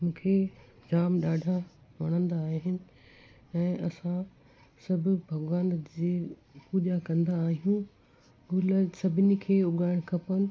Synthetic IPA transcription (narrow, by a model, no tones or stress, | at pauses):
mũːkʰed͡ʑaːmɗaːɖʱaʋɐɽ̃ə̃nd̪aːɦɦɪnɪ̆ | ɛ̃ːʔɐsã | sɐbʱʊ̆bʱɐɡʋaːnd͡ʑeːpuːʄakɐ̃nd̪aːɦijũ | ɡʊləsɐbʱɪnikʰeːʊɠaːɪɽ̃kʰɐpənɪ̆